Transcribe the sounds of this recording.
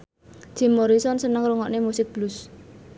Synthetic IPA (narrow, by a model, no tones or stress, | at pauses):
ʒ̥i̤moɾisɔnsənəŋruŋɔʔnemusɪk̚b̥lus